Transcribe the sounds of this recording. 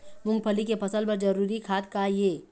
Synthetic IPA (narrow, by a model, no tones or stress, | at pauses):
mʊ̃ŋɡ̚pʰəlikepʰɐsəlpɐɾd͡ʒəɾuːɾikʰaːt̪̚kajeː